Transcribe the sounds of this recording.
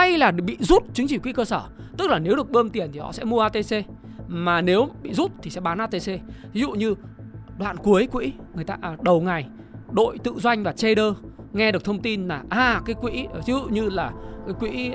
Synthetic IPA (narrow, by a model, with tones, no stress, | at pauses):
a˧jlaː˨˩ɓḭ˧˨zu˦˥t̚t͡ɕɨ˨˦ŋt͡ɕi˧˩kwḭ˧˥kəː˧səː˧˩t̪ɨ˦˥k̚laː˨˩ne˨˦wɗɨ˨˩ək̚ɓəː˧mt̪i˨˩ənt̪ʰi˨˩hɔ̰˧˥sɛ̰˧˥mu˧əʔaː˧t̪e˧se˧ | maː˨˩ne˨˦wɓḭ˧˨zu˦˥t̚t̪ʰi˨˩sɛ̰˧˥ɓaː˨˦nʔaː˧t̪e˧se˧t̪ʰi˨˦zṵ˧˨ɲɨ˧ɗwa̰ː˧˨nku˨˦əjkwḭ˧˥ŋɨ˨˩əjt̪a̰ː˧ʔɗə˨˩wŋa˨˩j | ɗo̰˧˨jt̪ɨ̰˧˨zwa˧jŋ̟vaː˨˩t͡ɕe˧ɗəː˧ŋɛ˧ɗək̚t̪ʰə˧ŋ͡mt̪i˧nlaː˨˩ʔaː˨˩kaː˨˦jkwḭ˧˥˨t̪ʰi˨˦zṵ˧˨ɲɨ˧laː˨˩kaː˨˦jkwḭ˧˥